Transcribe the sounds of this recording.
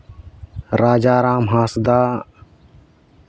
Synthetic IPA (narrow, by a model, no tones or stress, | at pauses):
ɾaːd͡ʒaːɾaːmɦaːsd̪aː